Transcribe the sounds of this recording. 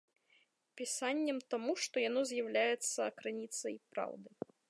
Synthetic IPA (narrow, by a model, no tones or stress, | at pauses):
pʲisanʲːɛmt̪amuʂt̪ɔjanɔzʲjawlʲajɛt̪sːɐːkɾɨnʲit̪sɐipɾa̰wd̪ɨ